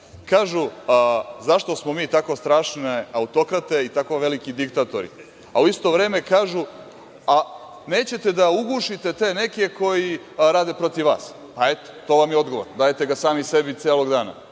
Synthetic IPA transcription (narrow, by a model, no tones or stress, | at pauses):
kaːʒu | zaʃt̪o̞smo̞miːt̪akost̪ɾaːʃneaut̪o̞kɾat̪e̞it̪akoʋelikid̪ikt̪at̪o̞̰ɾḭ | a̰uist̪o̞ʋɾe̞ːme̞kaːʒu | a | ne̞ːt͡ɕe̞t̪e̞d̪auɡuːʃit̪e̞t̪e̞ne̞kekʰo̞ji | ɾaːd̪e̞pɾo̞t̪iʋʋa̰ːs | pae̞t̪o̥t̪o̞ːʋamjeo̞d̪ɡo̞ʋoɾnd̪aːjet̪e̞ɡasaːmise̞bit̪eːlo̞ɡd̪aːna̰